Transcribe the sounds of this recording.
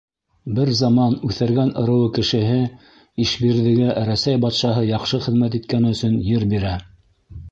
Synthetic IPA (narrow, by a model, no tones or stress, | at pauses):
bɘɾzɑmɑnʉθæɾɡænɤ̆ɾɤ̆wɤkɘ̆ʃɘ̆ɦɘ | iʃbiɾðɘ̆ɡæʔɾæsæjbɑt̪ʃɑɦɤjɑqʃɤχɘ̆ðmæt̪̬it̪̚kænɘɵ̆sɵnjɘɾbiɾæ